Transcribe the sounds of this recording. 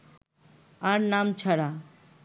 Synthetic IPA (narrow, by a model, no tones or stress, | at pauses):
aɾnaːmt͡ʃʰɐɽa